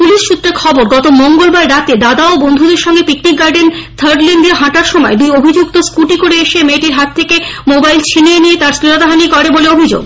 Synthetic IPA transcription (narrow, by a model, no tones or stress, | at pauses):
puliʃʃut̪ːɾeɾkʰɔboɾɡɔt̪omoŋɡolbaɾːat̪ed̪ad̪aobond̪ʱud̪eɾʃɔŋɡepiknikɡaɾɖent̪ʰəɾɖlinɖeɦãʈaɾʃɔmɔed̪ujobʱid͡ʑukt̪oskuʈikoɾeeʃemeʈiɾɦat̪ʰːekemobajlt͡ɕʰineeniet̪aɾsɾiɾod̪aɦanikɔɾeboleobʱid͡ʑo̰ɡ